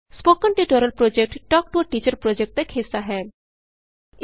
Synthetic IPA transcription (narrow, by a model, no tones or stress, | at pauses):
spoːkəɳʈiʈoɾəlpɾod͡ʒek̚ʈʈɔːk̚ʈuʈiːt͡ʃəɾpɾod͡ʒek̚ʈt̪ekʰɪsaɦɛ